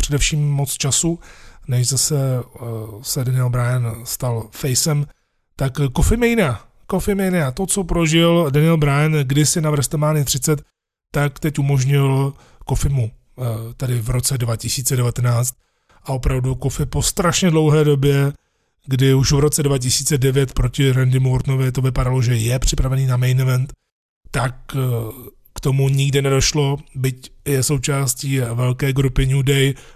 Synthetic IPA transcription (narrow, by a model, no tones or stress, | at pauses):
pr̝̥ɛdɛfʃiːmːot͡st͡ʃasunɛʒzasɛ | sɛdanɪɛlbɾajɛnst̪alfɛjsɛm | t̪akkofɪmjɛjɪna | kofɪmjɛjɪnat̪o̞t͡so̞pɾoʒɪldanɪɛlbɾajɛnɡdɪsɪnavr̩st̪ɛmaːnɪt̪r̥ɪt͡sɛt̪ː | akt̪ɛcumo̞ʒɲɪl | kofɪmu | t̪ɛdɪvɾo̞t͡sɛdvacɪsiːt͡sɛdɛvat̪ɛnaːt͡st̪̚ | ʔao̞pɾavdukofɪpo̞st̪ɾaʃɲɛdlo̞wɦɛːdo̞bjɛ | ɡdɪuʃvɾo̞t͡sɛdvacɪsiːt͡sɛdɛvjɛt̪pɾocɪɾɛndɪmuɾt̪novɪt̪o̞vɪpadaloʒɛjɛpr̝̥ɪpɾavɛniːnamɛjnmɛnt̪ː | ak | t̪o̞muɲɪɡdɪnɛdo̞ʃlo̞bɪcjɛso̞wt͡ʃaːsciːvɛlkɛːɡɾupɪɲudɛj